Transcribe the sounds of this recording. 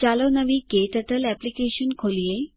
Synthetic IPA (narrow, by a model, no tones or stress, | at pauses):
t͡ɕalonəʋikeʈəʈəlɛplikeɕənkʰolije